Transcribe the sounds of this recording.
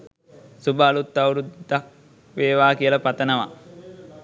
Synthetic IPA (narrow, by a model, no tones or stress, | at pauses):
subaːlut̪ːawɾud̪ak̚ | ʋeːʋaːkijələpat̪ənəʋa̰